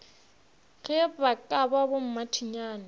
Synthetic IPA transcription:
ɣɛbakʼababom̩matʰiɲaːna

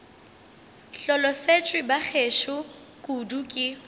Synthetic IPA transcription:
ɬɔlɔset͡ʃʼwɪbak͡xʰeʃʊ | kʼudukʼɪ

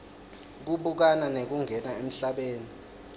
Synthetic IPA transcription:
k̬uɓuk̬ananek̬uŋʱɛnaem̩ɬaɓeːni

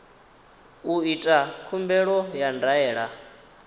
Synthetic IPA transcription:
uitʼakʰumbɛɺɔjandaɛːɺa

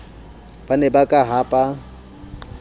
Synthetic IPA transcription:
b̥anɛbakʼaɦapʼa

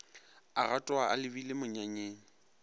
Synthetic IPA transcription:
aratʼɔaʔa̰lɪbilɪmʊɲaɲeːŋ̩

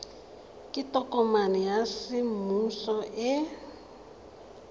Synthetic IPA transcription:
kʼitʼɔkʼɔmanijasimusɔʔɛ

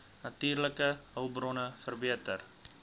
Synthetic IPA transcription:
nɐtyːrləkəəwbrɔnəfərbiətər

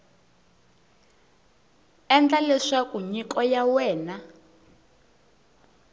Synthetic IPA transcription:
ɛnd͡ɮalɛʂakuɲikɔjawɛːna

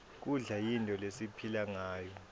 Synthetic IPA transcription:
k̬uɮajintʼɔlesipʰilaŋaːjɔ

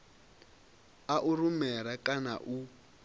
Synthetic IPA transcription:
aʔurumɛɾakʼana̰ʔu

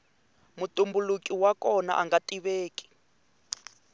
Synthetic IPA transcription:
mutumbulukʼiwakɔna̰ʔaŋɡatiβeːki̥

